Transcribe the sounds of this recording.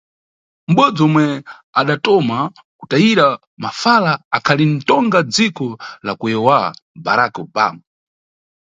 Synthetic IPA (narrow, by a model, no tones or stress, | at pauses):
m̩ɓɔd͡zɔmwɛ | aɗatɔma | kutajiɾa | mafalaakʰalin̩tɔŋɡad͡zikɔlakujɛwa̰ba̰ɾakɔba̰ːmu